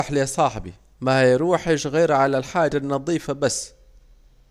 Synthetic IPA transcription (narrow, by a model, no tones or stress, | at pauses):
ħliasˤɑːħbḭ | majɾuːħɪʃɣeːɾʕalalħaːd͡ʒanːɑðˤiːfabasː